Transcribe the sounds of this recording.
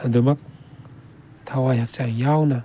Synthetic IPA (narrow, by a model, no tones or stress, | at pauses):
ad̪umɐk̚ | t̪ʰawajɦak̚t͡ʃaŋjawna